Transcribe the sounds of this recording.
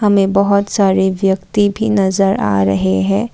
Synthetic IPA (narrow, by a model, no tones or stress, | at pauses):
hɐmẽbɐɦʊt̪saːɾeʋjɐkt̪ibʱinɐzəɾa̰ːɾɐɦeɦɛ̃ː